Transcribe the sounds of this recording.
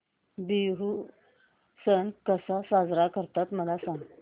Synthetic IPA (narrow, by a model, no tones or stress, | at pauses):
biɦu | sənkəsasad͡zɾakəɾt̪at̪m̤əlasãŋ